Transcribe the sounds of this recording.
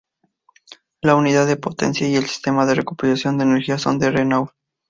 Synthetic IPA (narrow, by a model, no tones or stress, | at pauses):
launiðaðepo̞t̪e̞̰nsjaie̞lsi̥st̪e̞maðe̞rekupeɾasjo̞nd̪eːneɾxiaso̞̰nd̪erenaw